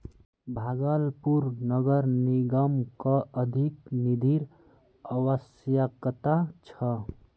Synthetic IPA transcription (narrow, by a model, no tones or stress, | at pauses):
bʱaɡəlpuɾnəɡəɾniɡəmkəəd̪ʱiknid̪ʱiɾ | əwəs | jəkt̪at͡ʃʰə